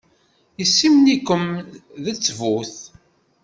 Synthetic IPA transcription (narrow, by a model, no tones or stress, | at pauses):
jəsːimnikːəmðət͡sːvuθ